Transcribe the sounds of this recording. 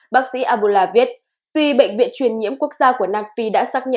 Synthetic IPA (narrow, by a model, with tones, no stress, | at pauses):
ɓaː˦˥k̚sḭ˧˥ʔaː˧ɓu˧˩laː˧vi˦˥ət̚ | t̪wi˧ɓə̰˧˨jŋ̟vḭ˧˨ənt͡ɕwi˨˩ənɲḭ˧˥əmku˦˥ək̚zaː˧ku˧˩ənaː˧mfi˧ɗa̰ː˧˥saː˦˥k̚ɲə̰˧